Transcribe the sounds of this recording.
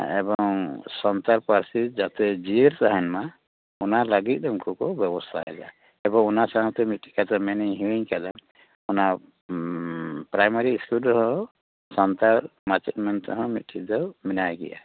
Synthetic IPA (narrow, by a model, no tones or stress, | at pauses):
ɛ̰bɔŋsɔnt̪aɾpaɾsid͡ʒat̪ɛd͡ʒiɾt̪aɦɛnma | ɔnalaɡit̪̚ˀdɔmkukɔbjɛbɔst̪ʰa̰ɛ̰d͡ʒa̰ | ɛbɔŋɔnasant̪ɛmit̪̚ʈʰi̥kat̪amɛniɦiwiɲkad̪a | ɔna | pɾajmaɾiːskuldɔɦɔ̃ | sɔnt̪aɾmat͡ʃɛt̪mɛnt̪ɔɦɔ̃mit̪̚ʈʰid̪ɔwminajɡɛ̰ʔa̰